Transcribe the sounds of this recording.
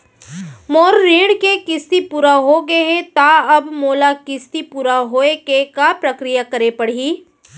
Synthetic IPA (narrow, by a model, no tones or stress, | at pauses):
moːɾːiːɽkekɪst̪ipuːɾaɦoɡɐɛt̪aɐbmoːlakɪst̪ipuːɾaɦoːekekapɾɐkɾijakɐɾepɐɽ̤iː